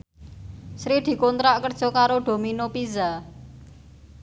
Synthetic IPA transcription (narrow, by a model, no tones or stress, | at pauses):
sɾid̪̥i̤kont̪ɾaʔkərd̥ʒ̥ɔ̤kaɾoɖ̪̥o̤minopiza